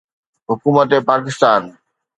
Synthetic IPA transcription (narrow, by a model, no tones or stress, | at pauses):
ɦʊkuːmət̪epaːkɪst̪aːn